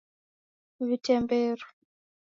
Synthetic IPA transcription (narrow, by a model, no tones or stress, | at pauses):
βitɛmbɛːɾu